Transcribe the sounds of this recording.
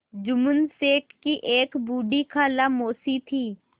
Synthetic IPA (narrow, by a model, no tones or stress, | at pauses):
d͡ʒʊmʊnseːʈkiʔeːkbuːɖikʰaːlamoːsit̪ʰiː